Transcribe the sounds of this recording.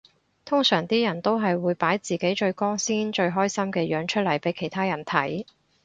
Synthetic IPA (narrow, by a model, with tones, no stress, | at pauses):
t̪ʰʊ˥ŋsœː˨˩ŋt̪iː˥jɐ˨˩nt̪o˥wɦɐ˨jwuː˨˧jpaː˨˥jt͡siː˨ke˨˥jt͡ʃɵ˧ɥkɔː˥ŋsiː˥nt͡ʃɵ˧ɥɦɔː˥jsɐ˥mkɛː˧jœː˨˧˥ŋt͡ʃʰt̚lɐ˨˩jpe˨˥jkʰe˨˩jt̪ʰaː˥jɐ˨˩nt̪ʰɐ˨˥j